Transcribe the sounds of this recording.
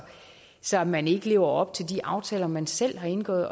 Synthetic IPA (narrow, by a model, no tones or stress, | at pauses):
sɒ̽mæne̝ɡ̥əle̝ːʊɐɒ̽b̥̚t͡sʰe̝ld̥iʔɑ̈ʊt͡sʰɛːlɐmænsel̰ɦɑ̈e̝nɡ̥ɔ̰̽ːð̩ˠ